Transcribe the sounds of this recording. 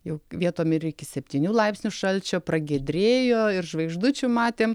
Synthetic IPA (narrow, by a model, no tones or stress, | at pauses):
jɛʊʋʲiɛt̪oːmʲɪɾɪkʲɪsʲɛpʲt̪ʲiːnʲuːlˠɐɪpsʲnʲʊʃɐlʲt͡ʃʲoːpɾɐɡʲɛd̪ʲɾʲeːjoːɪrʒʋɐɪɡʒd̪ʊt͡ʃʲʊmɑːt̪ʲeːm